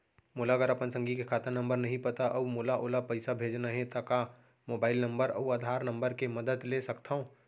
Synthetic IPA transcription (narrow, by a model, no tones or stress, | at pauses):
molaɡəɾəpənsə̃ŋɡʱikekʰaːt̪əɾnə̃mbəɾnəɦĩpət̪aʔəumolaʔoːlapəɪsabʱed͡ʒnaɦẽt̪aka | mobaːɪlnəmbəɾə̰uad̪ʱaɾnəmbəɾkeməd̪əd̪lesəkt̪ʰaɦõ